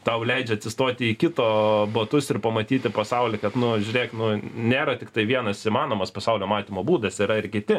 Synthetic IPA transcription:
t̪ɐʊlʲɛɪd͡ʒʲɛɐt̪ʲsʲɪst̪oːt̪ʲɪikʲɪt̪oːbot̪ʊsɪrpɐmɐt̪ʲiːt̪ʲɪpɐsɐʊlʲɪkɐt̪nʊʒʲʊɾʲeːknʊnʲeːɾɐt̪ʲɪkt̪ɐɪʋʲiɛnɐsimɑːnoːmɐspɐsɐʊlʲoːmɑːt̪ʲiːmoːbuːd̪ɐsiɾɐɪrkʲɪt̪ʲɪ

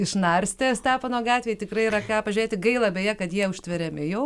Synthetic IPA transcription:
ɪʃnɐrʲsʲt̪ʲeːsʲt̪æːpɐnoːɡɑːt̪ʲʋʲeːjt̪ʲɪkrɐɪiɾɐkɑːpɐʒʲʊɾʲeːt̪ʲɪɡɐɪlˠɐbʲeːjɛkɐt̪jiɛʊʃʲt̪ʲʋʲɛɾʲɛmʲɪjɛʊ

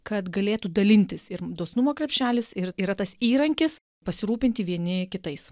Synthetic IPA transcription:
kɐt̪ɡɐlʲeːt̪ud̪ɐlʲɪnʲt̪ʲɪsɪɾd̪oɔsnʊmoːkɾʲɛpʲʃʲæːlʲɪsɪɾiːɾɐt̪ɐsiːɾɐŋʲkʲɪs | pɐsʲɪɾuːpʲɪnʲt̪ʲɪʋʲiɛnʲɪkʲɪt̪ɐɪs

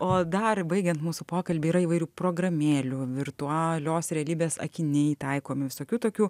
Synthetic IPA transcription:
oːd̪ɐrbɐɪɡʲɛnt̪muːsʊpoːkɐlʲbʲɪiːɾɐiːʋɐɪɾʲuːpɾoːɡɾɐmʲeːlʲuʋʲɪrt̪ʊɑlʲoːsɾʲɛɐlʲiːbʲeːsɐ̰kʲɪnʲɛɪt̪ɐɪkoːmʲɪʋʲɪsoːkʲuːt̪oːkʲuː

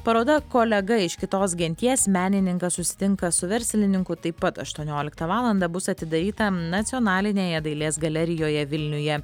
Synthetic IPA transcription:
pɐɾoːd̪ɐkoːlʲɛɡɐɪʃkʲɪt̪oːsɡʲɛnʲt̪ʲiɛsmʲæːnʲɪnʲɪŋkɐssʊsʲɪ̥t̪ʲɪŋkɐsʊʋʲɛɾʲsʲlʲɪnʲɪŋkʊt̪ɐɪpːɐt̪ɐʃt̪uɔnʲoːlʲɪkt̪ɐʋɑːlˠɐnd̪ɐbʊsɐt̪ʲɪd̪ɐɾʲiːt̪ɐnɐt̪sʲɪjɔːnɑːlʲɪnʲeːjɛd̪ɐɪlʲeːsɡɐlʲɛɾʲɪjoːjɛʋʲɪlʲnʲʊjɛ

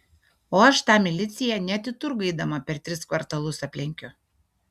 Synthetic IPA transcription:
oːɐʃt̪ɑːmʲɪlʲɪt̪sʲɪjɛnʲɛt̪ʲɪt̪ʊɾɡɐɪd̪ɐmɐpʲɛɾt̪ʲɾʲɪskʋɐɾt̪ɐlˠʊsɐpʲlʲɪŋʲkʲʊ

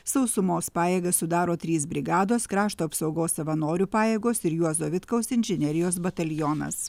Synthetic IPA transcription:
sɐʊsʊmoːspɑːjeːɡɐsʊd̪ɑːɾoːt̪ʲɾʲiːsbʲɾʲɪɡɑːd̪oːskɾɑːʃt̪oːɐpsɐʊɡoːsːɐʋɐnoːɾʲupɑːjeːɡoːsɪɾjuɔzoʋʲɪt̪kɐʊsɪnʲʒʲɪnʲɛɾʲɪjoːs̬bɐt̪ɐlʲjɔːnɐ̰s

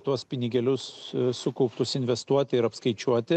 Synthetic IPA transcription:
t̪uɔspʲɪnʲɪɡʲɛlʲʊssʊkɔʊpt̪ʊsɪnʲʋʲɛst̪uɔt̪ʲɪɪɾɐpskɐɪt͡ʃʲuɔt̪ʲɪ

